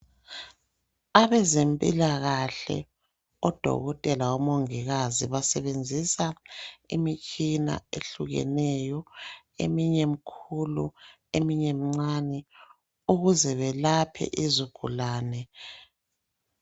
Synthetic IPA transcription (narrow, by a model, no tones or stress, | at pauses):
aβɛzempʼilaɣaɬɛ̰ | ɔd̥ʱɔ̰ɣɔtʼɛlaɔmoŋiɣaziβasɛβend͡zʱisaimit͡ʃʰʼina̰eɬuɣɛ̰nɛjɔ | ḛmiɲem̩kʰulṵ | emiɲemiŋ͡ǀanɛ | uɣuzɛβɛlapʰɛ̰ʔizuɡ̥ʱṵlaːnɛ